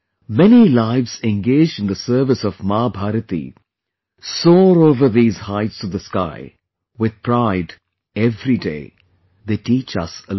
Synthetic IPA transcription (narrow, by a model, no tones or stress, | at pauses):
mɛnilaɪvz̥ɛ̃nɡeɪd͡ʒɨ̃nd̪əsɜ˞vɨsɔvmabʱaɾɨt̪ḭ | sɔːɾoʊvə˞ðiːz̥haɪtsɔvðəska̰ɪ | wɪð̥̚pʰɾaɪd | ɛvɾidḛɪ | ðeːʈiːt͡ʃʌ̰səl